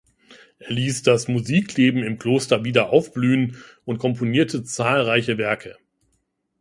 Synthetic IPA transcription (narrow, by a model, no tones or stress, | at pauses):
ʔeːɐliːsd̥asmuziːkleːbm̩ɪmkl̥oːstɐviːdɐʔaʊfb̥lyːənʔʊntkʰɔmponiːɐtʰət͡saːlʁaɪçəvɛɐkʰə